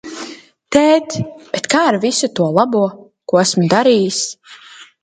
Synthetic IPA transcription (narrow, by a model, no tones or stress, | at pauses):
t̪ɛːt̪b̥et̪kaːaɾvisut̪uɔlˠabuɔ | kuɔæsmud̪aɾiːjis